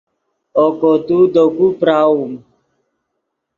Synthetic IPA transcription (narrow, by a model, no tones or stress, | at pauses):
ɔkɔtudɔkupɾawum